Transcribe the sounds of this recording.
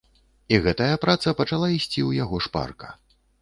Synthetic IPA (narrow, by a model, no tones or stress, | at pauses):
iɣɛt̪ɐjɐpɾat̪sɐpɐt͡ʂalˠaisʲt͡sʲiwjaɣɔʂpa̰rkɐ̥̰